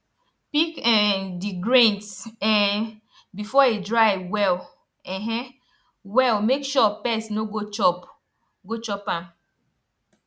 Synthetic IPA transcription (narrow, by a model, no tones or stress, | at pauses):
pikɛndiɡɾẽntsɛn | bifɔedɾaɪwɛl | ɛɦɛ̃ | wɛlmekʃɔpɛsnoɡoɔ | ɡot͡ʃɔpãm